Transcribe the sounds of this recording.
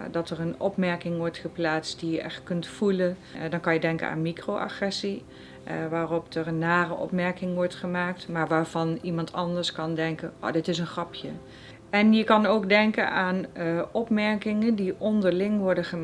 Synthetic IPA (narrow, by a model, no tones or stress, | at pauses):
dɑtərənɔpmɛɹkɪŋʋɔɹtχəplaːtst̚dijəʔɛ̰xtkɵntfuləndɑnkɑnjədɛŋkə̰na̰ːnmikroʔa̰χrɛsi | ʋaːrɔpdərənːaːrəʔɔ̰pmɛɹkɪŋʋɔɹtχəmaːk̚tmaːɹʋaːɹv̥ɑnimɑntʰɑndəɹskɑndɛŋkəno̰ːdɪtɪsənχrɑpʰjə | ɛnjəkɑnoːkdɛŋkə̰naːnɔpmɛɹkɪŋəndiʔɔndəɹlɪŋʋɔɹdəχə